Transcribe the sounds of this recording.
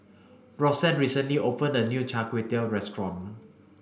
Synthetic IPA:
ɹɔsɛ̃nɹisə̃nliʔopʰə̃ndənut͡ʃʰakʰwet̪elɹɛstɹɔ̃n

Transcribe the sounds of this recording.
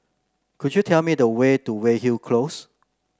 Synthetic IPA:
kʰud͡ʒjutʰɛlmidəwetuwehilkʰlos

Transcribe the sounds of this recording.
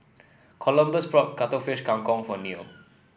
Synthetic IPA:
kʰɔlə̃mbəspɹɔt̚katəfiʃkãŋkɔ̃ŋfɔnio

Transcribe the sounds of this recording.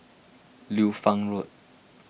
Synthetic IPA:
lufãŋɹut̚

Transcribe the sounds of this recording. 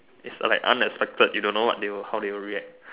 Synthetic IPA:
isla̰ɪkã̰nɛkspɛk̚tədjudõnːowɔ̰t̚dewəhawdewəɹiɛk̚

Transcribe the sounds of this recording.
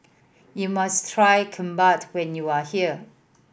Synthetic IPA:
jumastʰɹajkʰɔ̃mbatʰwɛ̃njuahiə

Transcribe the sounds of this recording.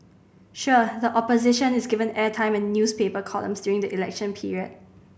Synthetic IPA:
ʃudəʔɔpozɪʃə̃nɪsɡɪvə̃nɛtʰãɪ̃mɛ̃nːjuspepəkʰɔlə̰̃msdjuɹɪ̃ŋdəʔilɛ̰kʃə̃npʰiɹiəd̥̚

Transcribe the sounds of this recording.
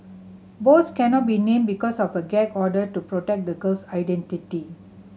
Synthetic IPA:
bot̪̚ʰkɛnɔt̚binẽmbikɔsɔfəɡɛkɔdətupɹotɛk̚d̪əɡəlsajdɛ̃ntiti

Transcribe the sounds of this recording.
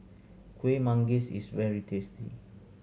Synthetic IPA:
kʰwemãŋɡisḭsvɛɹitʰestʰḭ

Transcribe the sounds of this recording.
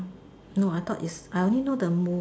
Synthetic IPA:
noajt̪ʰɔtisajõnlinodəmu

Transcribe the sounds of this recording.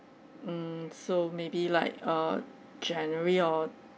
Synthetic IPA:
mm̩somebila̰ɪk̚ʌ | d͡ʒɛ̃nəɹiɔ

